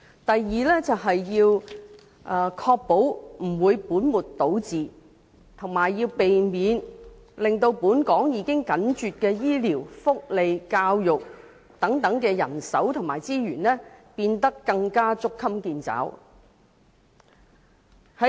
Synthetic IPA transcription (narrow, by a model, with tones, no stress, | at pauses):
t̪ɐ˨jːiː˨lɛː˥t͡sɐ˨wɦɐ˨jːiː˧w | ʔːkʰɔː˧k̚po˨˥wm̩˨˩wuː˨˧jpuː˨˥nmuː˨˩tt̪ːo˨˥wt͡siː˨ | t̪ʰʊ˨˩ŋmaː˨˩jːiː˧wpe˨jmiː˨˧n | lɪ˨ŋt̪o˧wpuː˨˥nkɔː˨˥ŋjiː˨˧kɪ˥ŋkɐ˨˥nt͡ʃyː˨t̚kɛː˧jiː˥liː˨˩wfʊ˥k̚le˨jkaː˧wjʊ˨k̚ | t̪ɐ˨˥ŋt̪ɐ˨˥ŋkɛː˧jɐ̰˨˩nsɐ˨˥wt̪ʰʊ˨˩ŋmaː˨˩jt͡siː˥ɥyː˨˩nlɛː˥piː˧nt̪ɐ˥kːɐ˧ŋkaː˥t͡sʊ˥kʰːɐ˥mkiː˧nt͡sa̰ː˨˥w | hɐ˨˦